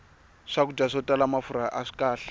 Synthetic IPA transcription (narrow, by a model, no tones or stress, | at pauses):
ʂak̬ud͡ʒaʂɔtʼalamafuɾaʔaʂi̥kʼaːɬḁ